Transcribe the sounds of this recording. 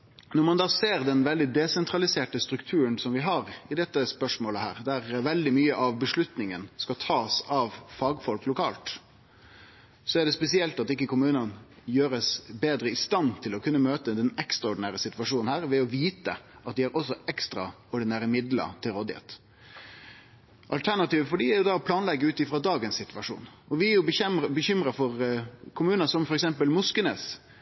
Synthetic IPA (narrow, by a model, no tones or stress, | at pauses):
nɔɾmɑnd̪ɑːseːɾd̪ɛnʋɛld̪ɪd̪ɛsɛnt̪ɾɑlɪseːʈəst̪ɾʉkt̪ʰʉːɾənsɔmʋɪɦɑɾɪd̪ɛt̪ːəspœʂmoːləhæ̰ːɾd̪æɾʋɛld̪ɪmyːəʔɑʋbəʂlʉt̪nɪŋənskɑt̪ʰɑːsɑʋfɑːɡfɔlklʊkʰɑːlt̪ | sɔæɖɛspɛsɪɛlt̪ɑt̪ɪkːəkʊmʉːnənjøːɾəsbeːd̪ɾəɪst̪ɑnt̪ʰɪlɔkʰʉnːəmøːt̪əd̪ɛnɛkst̪ɾɑɔɖɪnæːɾəsɪt̪ʋɑʂuːnnhæːɾʋɛɔʋiːt̪ə̰ʔɑt̪̚d̪ɪɑɾʔɔsɔʔɛkst̪ɾɑ̰ | ɔɖɪnæːɾəmɪd̪lə̰ɾt̪ʰɪlɾɔd̪ɪhḛːt̪ | ʔɑ̰lt̪ʰæɾnɑt̪iːʋəfɔɖiːæɾjʊd̪ɑɔpʰlɑːnlɛɡːəʉːt̪ɪfɾɑd̪ɑːɡənssɪt̪ʋɑʂṵːnɔʋɪæɾjʊbəçʏmɾɑfɔɾkʰʊmʉːnəsɔmfɔɾɛksɛmpəlmʊskənḛːs